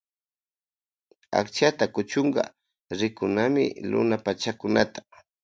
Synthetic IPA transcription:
a̰kt͡ʃat̪akʊt͡ʃʊɴɢɑ̰ | ɾɪkʊnamɪ̰lʊ̰napat͡ʃakʊnat̪ḁ

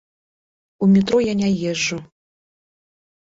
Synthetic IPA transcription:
umʲit̪ɾɔjanʲajɛʐːu

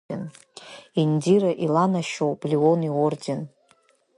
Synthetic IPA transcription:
en | indiɾaʔilanaʃowblioniorden

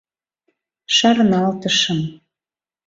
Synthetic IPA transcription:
ʃɑɾnɑlt̪ɤ̆ʃɤ̆m

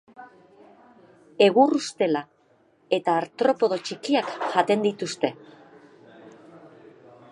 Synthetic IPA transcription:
e̞ɣurust̪e̞la | e̞t̪aːɾt̪ɾo̞po̞ð̞o̞t͡ʃikiakʝat̪e̞nd̪it̪ust̪e̞

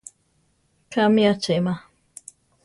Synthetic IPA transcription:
kʰamijat͡ʃema

